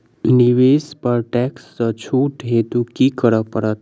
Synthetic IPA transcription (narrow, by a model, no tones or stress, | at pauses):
niʋeːspəɾʈɛksːət͡ʃʰuːʈɦet̪ukikəɾəpəɾət̪